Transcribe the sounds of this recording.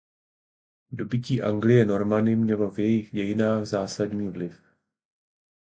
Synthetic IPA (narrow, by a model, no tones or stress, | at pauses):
do̞bɪciːʔaŋɡlɪjɛno̞ɾmanɪmɲɛlo̞vjɛjɪxɟɛjɪnaːɣzaːsadɲiːvlɪf